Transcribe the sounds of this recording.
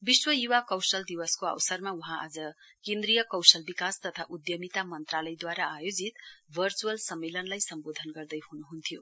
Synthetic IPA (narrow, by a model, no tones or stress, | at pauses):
biswʌjuwakʌwsʌld̪iwʌskoʌ̰wsʌrmauɦãʔa̰d͡zʌ | kẽnd̪rijʌkʌwsʌlbikast̪ʌt̪ʰaʔud̪jʌmit̪amʌnt̪ralʌjd̪waɾaajod͡zit̪bʱʌrt͡suʌlsʌmːelʌnlajsʌmbod̪ʱʌnɡʌrd̪ʌjhunuɦunt̪ʰijo